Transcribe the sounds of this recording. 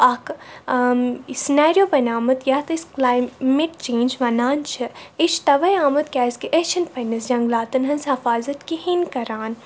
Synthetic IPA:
ɐk | sinaːɾijoːpɐnaːmɐt̪jat̪ɨsklaːjmeʈt͡ʃẽːnd͡ʒʋɐnaːnt͡ʃʰɨit͡ʃʰt̪ɐʋɐjaːmɐt̪̚kʲaːskiʔet͡ʃʰɐnpʰɐnɐsd͡ʒɐ̃ŋɡlaːt̪ɨnɦɐnsɐfaːzɐt̪kihinkɐɾaːn

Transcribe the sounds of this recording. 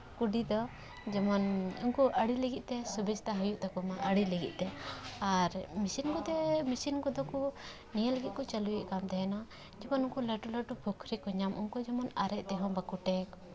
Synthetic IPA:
kuɖid̪ɔ | d͡ʒɛmɔnunkuʔəɽiləɡit̪̚ˀt̪ɛsubist̪aɦɔjuʔt̪ɛkɔmaʔəɽiləɡḭt̪̚ˀt̪ɛaɾmisinkud̪ɛmisinkɔd̪ɔku | nijələɡit̪̚kɔt͡ʃəlujiʔkamd̪ɛɦɛna | d͡ʒɛmɔnunkuləʈuləʈubʱukʰɾikɔɲamʔunkud͡ʒɛmɔnaɾɛʔ̚t̪ɛɦɔ̃bakuʈɛk̚

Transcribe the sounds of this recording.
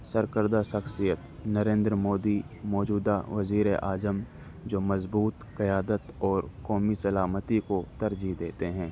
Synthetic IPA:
sɐɾkəɾd̪aʃɐxsijət̪nɐɾẽːnd̪ɾəmoːd̪i | mɔːd͡ʒuːd̪aʋɐziːɾeʔaːzəm | d͡ʒoːmɐzbuːt̪kɐjaːd̪ət̪ɔːɾkɔːmisɐlaːmət̪ikot̪ɐɾd͡ʒid̪eːt̪eɦɛ̃ː

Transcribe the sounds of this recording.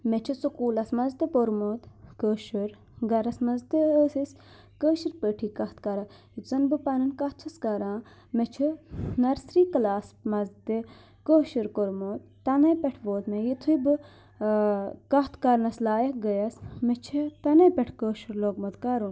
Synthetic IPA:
met͡ʃʰisukuːlɐsmɐzt̪ɨpoɾmoːt̪kəːʃuɾ | ɡɐɾɐsmɐzt̪ɨəːsis | kəːʃiɾpəʈʰiːkɐht̪ʰkɐɾa | jit̪ʰzɐnbɨpɐnɨnkɐht͡ʃʰɐskɐɾãː | met͡ʃʰinɐɾsɾiːklaːsmɐzt̪i | kəːʃiɾkoɾmoːt̪ːɐnɐpʲɛʈʰʋoːt̪mejit̪ʰujbɨ | kɐɦt̪ʰkɐɾnɐslaːjɐk̚ɡəjɐsmet͡ʃʰit̪ɐnɐpʲɛʈʰkəːʃuɾloːɡmɐt̪kaɾun

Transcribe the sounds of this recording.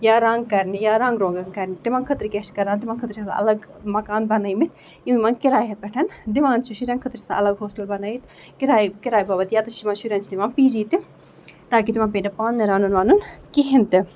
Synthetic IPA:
jaːɾãŋɡkɐɾnijaːɾãːŋɡɾõːŋɡɐŋkɐɾnit̪imaːŋkʰət̪ɾikeʃkɐɾaːnt̪ɪmaːŋkʰət̪ɾit͡ʃʰɐsa̰ʔɐ̰lɐɡmɐkaːnbɐnaimit̪̚ʰ | jimaːŋkɪɾaːjɦepɛʈʰɐnd̪iʋãːnt͡ʃʰiʃuɾʲãːŋkʰət̪ɾisa̰ʔɐlɐɡɦoːsʈɐlbɐnaːit̪ | kɪɾaːikɪɾaːjbaːbɐt̪jaːt̪ɐʃimaːnʃuɾʲaːnt͡ʃʰid̪ɪmãːnpid͡ʒiːt̪i | t̪aːkit̪imãːpiːnɐpaːnːɐɾaːnunʋaːnunkiɦint̪ɪ

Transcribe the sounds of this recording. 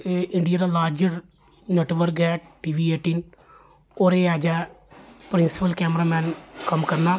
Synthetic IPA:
ɪɳɖijaːɾaːlaːɾd͡ʒəɾ | neʈʋəɾkɛːʈ̚ʈiːʋiːeːʈiːn | oːɾeːaːd͡ʒɛːpɾɪnsɪ̥pəlkɛːmɾaːmɛ̃ːnkəmkəɾnaː

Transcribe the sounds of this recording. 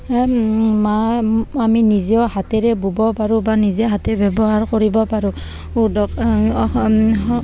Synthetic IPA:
maaminiziɔhatɛɹɛbubɔpaɹubaniziɔɦatɛbɛbɔɦaɹkɔɹibɔpaɹu | udɔk | ɔ

